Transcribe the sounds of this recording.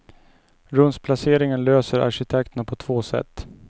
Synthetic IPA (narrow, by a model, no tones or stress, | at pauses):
ɾɵnspʰlaseːɾɪŋənløːsəɾa̰ʂɪt̪ʰɛk̚t̪ənapʰɔt̪ʰvoːsɛ̰t̪ː